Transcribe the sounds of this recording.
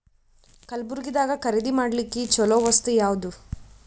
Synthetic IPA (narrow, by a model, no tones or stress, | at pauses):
kɐlbuɾɡid̪aːɡɐkɐɾed̪imaːɽlikːet͡ʃɔloːʋɐst̪ujaːʋud̪u